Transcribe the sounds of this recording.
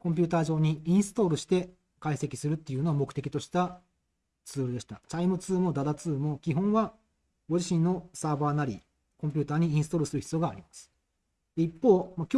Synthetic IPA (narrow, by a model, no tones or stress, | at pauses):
kõmp̬ʲɨːt̪aːʑo̞ːɲ̟iĩɰ̃sɨ̥t̪o̞ːɾɯ̟ɕi̥t̪e̞ | kaise̞kʲi̥sɨɾɯ̟t̪ːe̞iɯ̟noamo̞kɯ̥t̪e̞kʲit̪o̞ɕi̥t̪a | t͡sɨːɾɯ̟d̪e̞ɕi̥t̪at͡ɕaimɯ̟t͡sɨːmo̞d̪ad̪at͡sɨːmo̞kʲiɦõ̞βa | ɡo̞d͡ʑiɕĩnːo̞saːbaːnaɾʲḭ | kõ̞mpʲɨ̟ːt̪aːɲ̟iĩsɨ̥t̪o̞ːɾɯ̟sɨɾɯçi̥t͡sɨjo̞ɡaːɾʲimasɨ̥ | d̪̥e̞ipːo̞ːmakʲ